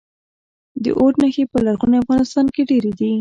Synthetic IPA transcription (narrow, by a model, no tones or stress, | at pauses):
d̪ə̰ʔoʈnəxepəlaɾɣuneafɣɑnɪst̪ɑnkeɖeɾed̪i